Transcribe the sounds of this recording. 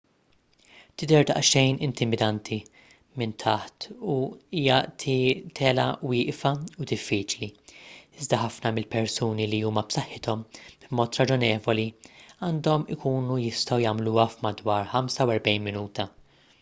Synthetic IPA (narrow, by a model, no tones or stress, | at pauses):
t̪ɪd̪ɛɾd̪ɐ̰ʔʃɛjnɪnt̪ɪmɪd̪ɐnt̪ʰi | mɪnt̪ʰɐħt̪uiːjɐʔt̪ʰit̪ʰɛlɐ̰wɪːʔfɐud̪ɪfːiːt͡ʃliɪzd̪ɐħɐfnɐmɪlpɛɾsuːniliuːmɐpsɐħːɪt̪ɔmbmɔːt̪ɾɐd͡ʒɔnɛːvɔliɐːnd̪ɔmɪ̰kʰuːnujɪst̪ɐwjɐːmluɐfmɐd̪wɐːɾħɐmsɐwɛɾbɛjnmɪnuːt̪ɐ